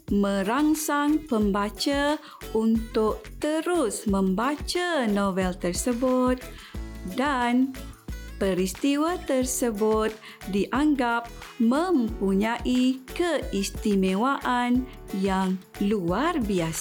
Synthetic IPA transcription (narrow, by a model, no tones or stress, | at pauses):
mə̃ɾaŋsaŋpəmbat͡ʃa | unt̪ʊk̚t̪əɾusmə̃mbat͡ʃanovɛlt̪ərsəbut̪̚ | dan | pəɾist̪iwat̪ərsəbut̪̚ | diʔaŋɡap̚mə̃mpuɲãʔikəist̪imewaʔan | jaŋ | luarbias